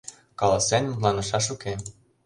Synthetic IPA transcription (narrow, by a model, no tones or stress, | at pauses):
kɑlɑsænʲlɑnɤ̆ʃɑʃuke